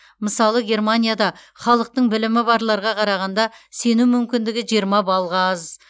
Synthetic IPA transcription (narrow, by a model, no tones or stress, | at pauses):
məsɑlˠəɡʲe̞rmanʲijad̪ɑ | χɑlˠəq̚t̪əɴbɪlɪmɪbɑɾlˠɑɾʁɑqʰɑɾɑʁɑnd̪ɑse̞numʏmkʲɪnd̪ɪɡʲɪʒijɾmɑbɑlˠʁɑz